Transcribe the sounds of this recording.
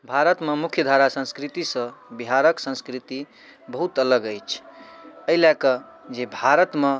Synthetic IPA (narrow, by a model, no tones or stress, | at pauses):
bʱaɾət̪memukʰjəd̪ʱaɾasə̃skɾit̪isə̃biɦaɾəksə̃skɾit̪i | bəɦut̪ələɡəjt͡ʃʰəilakə | d͡ʒebʱaɾət̪me